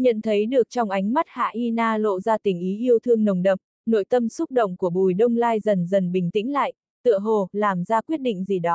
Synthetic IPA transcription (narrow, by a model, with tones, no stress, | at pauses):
ɲə̰˧˨nt̪ʰə˨˦jɗɨ˨˩ək̚t͡ɕɔ˧wŋ͡mʔa˨˦jŋ̟ma˦˥t̚ha̰ː˧˨ʔi˧naː˧lo̰˧˨zaː˧t̪ï˨˩ŋ̟ʔi˨˦ʔi˧əwt̪ʰɨ˧əŋnə˨˩wŋ͡mɗə̰˨˩p̚ | no̰˧˨jt̪ə˧msʊ˦˥k͡p̚ɗə̰˧˨wŋ͡mku˧˩əɓu˨˩jɗə˧wŋ͡mlaː˧jzə˨˩nzə˨˩nɓï˨˩ŋ̟t̪ḭ˧˥ŋ̟la̰ː˧˨j | t̪ɨ̰˧˨əɦo˨˩laː˨˩mzaː˧kwi˦˥ət̚ɗḭ̈˧˨ŋ̟zi˨˩ɗɔ˨˦